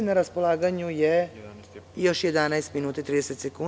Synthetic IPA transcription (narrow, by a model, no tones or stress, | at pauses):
naɾaspo̞lˠaːɡaɲuje | jo̞ʃjed̪anajst̪minuːt̪ait̪ɾiːd̪eset̪sekun